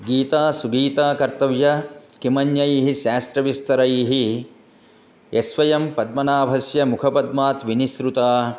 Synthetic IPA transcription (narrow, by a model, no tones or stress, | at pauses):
ɡiːt̪aːsuɡiːt̪aːkɐɾt̪ɐʋjɐkimɐnjɐjiɦiʃaːst̪ɾɐʋist̪ɐɾɐjiɦi | esʋɐjɐmpɐd̪mɐnaːbʱɐsjɐmukʰɐpɐd̪maːt̪ʋinisɾut̪aː